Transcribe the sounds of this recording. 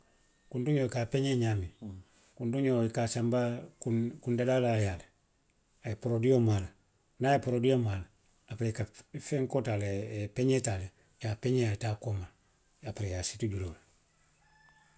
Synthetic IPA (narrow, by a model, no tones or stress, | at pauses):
kuntuɲoikapeɲeɲami | kuntuɲoikasambakukundedalajale | aepoɾodijomala | najepoɾodijomala | apɾekafeŋkotalepeɲetale | t͡ʃapeɲeatakoma | apiɾejasituɟulole